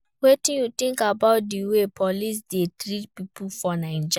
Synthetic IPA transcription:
wetĩnjut̪ĩŋkabaʊt̚diwepʰɔlis̬detɾitpipʰufɔnaɪ̃d͡ʒ

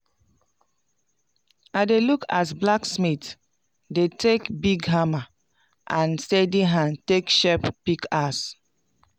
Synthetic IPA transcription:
adelukʰas̬blaksmit | detʰekbiɡɦama | ʔãnstɛdiɦãntekʃɛppikʰas

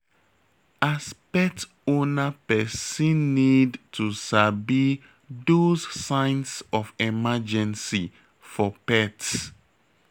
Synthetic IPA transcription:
aspɛt | onapɛsĩnːidtʰusabi | dozsãɪ̃nsɔfɛmad͡ʒɛ̃nsi | fɔpɛts

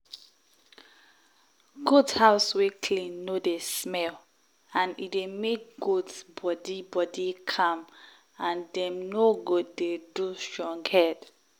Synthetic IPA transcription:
ɡudhaʊswekʰlĩnːodesmɛl | ãnidemek̚ɡudbɔdibɔdikʰãm | ãndɛ̃mnoɡod̚ːedustɹɔ̃ŋɡhɛd̥

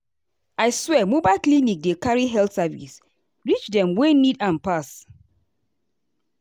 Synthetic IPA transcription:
aɪswɛmobaɪlklinik̚dekaɹiɦɛltsavḭs | ɹit͡ʃdɛ̃mwenidãnpas

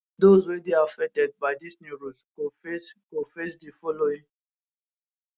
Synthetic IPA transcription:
dozwedeafɛk̚tɛd̚baɪdisnuɾutkoeskofesdifɔloĩ

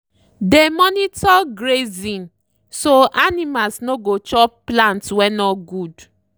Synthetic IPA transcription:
demɔnitɔɡɾezĩn | soʔanimalsnoɡot͡ʃɔplãntwɛnɔɡud

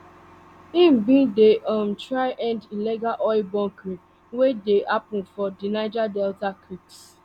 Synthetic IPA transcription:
ĩm̩bĩdeʔɔm̩tɾaɪʔɛ̃ndilɛɡaʔɔɪbɔ̃ŋkɾi | wedeʔapʊn̩fɔdinaɪd͡ʒadɛltakɾips

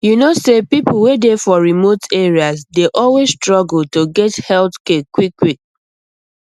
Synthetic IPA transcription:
junosepipʊwedefɔɹimoteɹiasdeʔɔlwesstɹɔɡl̩toɡɛthɛldkekwikːwik̚

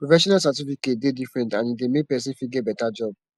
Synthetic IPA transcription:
pɹofɛʃɔ̃nals̬at̬ifiket̚dedifɾɛ̃ntãnĩdemepɛs̬ĩnfiɡebɛtad͡ʒɔb

